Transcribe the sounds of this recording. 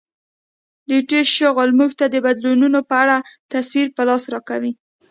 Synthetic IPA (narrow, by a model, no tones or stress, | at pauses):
liʈeʃəɣolmuɡt̪ad̪əbad̪lununopəaɽat̪aswiɾpəlɑsɾɑkawi